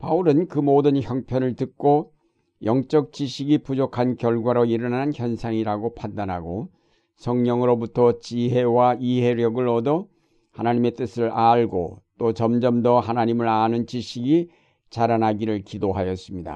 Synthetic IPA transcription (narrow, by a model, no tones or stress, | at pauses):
pauɾɯnkɯmodɯnçjʌŋpʰjʌnɯɭtɯk͈o | jʌŋt͡ɕ͈ʌk̚t͡ɕiɕʰiɡipud͡ʑokʰankjʌɭɡwaɾoiɾʌnanançjʌnsʰaŋiɾaɡopʰandanɦaɡo | sʰʌŋɲʌŋɯɾobutʰʌt͡ɕiɦe̞waiɦe̞ɾjʌɡɯɭʌdʌ | hanaɲime̞t͈ɯsʰɯɭaɭɡo̰t͈ot͡ɕʌmd͡ʑʌmdʌɦanaɲimɯɾanɯnt͡ɕiɕʰiɡi | t͡ɕaɾanaɡiɾɯɭkidoɦajʌs͈ɯmɲida̰